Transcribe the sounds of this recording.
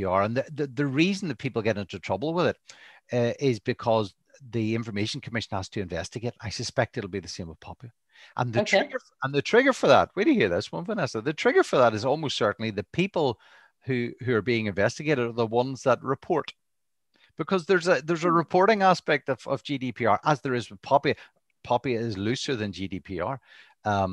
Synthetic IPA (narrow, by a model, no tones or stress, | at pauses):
əɹə̃nðəðəðəɹizə̃n̩ðət̚pʰipl̩ˠɡɛɾɪ̃ntɨtʰɹ̥ʌbl̩ˠwɪðɪt | ʔɪzbɨkʰʌz | ðiɪ̃ɱfə˞meʃə̃n̩kʰəmɪʃə̃n̩həz̥tʰɨɨ̃ɱvɛ̰stɨɡeɪɾa̰ɪsəspɛk̚tɨɾl̩ˠbiðɨsẽməv̥pʰɑpjlˠə | ʔə̰̃nðɨtʰɹɪɡə˞ | ə̃nðɨtʰɹ̥ɪɡə˞fə˞ðə̰ʔ̚widɨjɨhiɹðɪswʌ̃nvə̃nɛsəðɨtʰɹ̥ɪɡə˞fə˞ðəɾɨzɔlˠmostsɜ˞ʔn̩lˠiðɨpʰipəl̩ˠ | hʉhʉə˞biɪ̃ŋɨ̃ɱvɛstɨɡeɾɨdə˞ðəwʌ̃nzðət̚ɹɪpʰɔɹt | b̥ɪkʰʌzðə˞zəðə˞zəɹɨpʰɔɹɾɪ̃ŋaspɛk̚tʌv̥ʌ̰vd͡ʒidipʰiɑ̰ɹʔəzðə˞ɨzpʰɑpi | pʰɑpiɪzlˠʉsə˞ðɨ̃nd͡ʒidipʰiɑ̰ɹ | ʌ̃